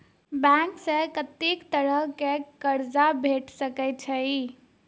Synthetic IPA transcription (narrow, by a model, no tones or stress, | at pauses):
bɛ̃ksə̃kət̪ikt̪əɾəɦkekəɾd͡ʒabʱeʈsəkɛjt̪̚t͡ʃʰəi